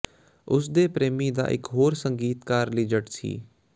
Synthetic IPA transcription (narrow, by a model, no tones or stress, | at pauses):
ʊsd̪eːpɾeːmiːd̪a̰ːʔɪ̰kɦoːɾsəŋɡiːt̪kaːɾliːd͡ʒəʈsḭː